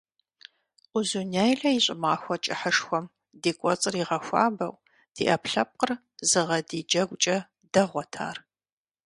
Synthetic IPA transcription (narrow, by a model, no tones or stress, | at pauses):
ʔʷʊzunejɮɐiɕʼɪmaːxʷɔt͡ʃʼɪħəʂxʷɔm | deːkʷʼɔt͡sʼɨriːʁɐxʷa̰ːbɐ̰w | d̥ḭːʔɐpɬɐp̚qər | zɨʁɐdiːd͡ʒɐɡʷʼt͡ʃʼɐ | d̥ɐʁʷɔtʰa̰ːr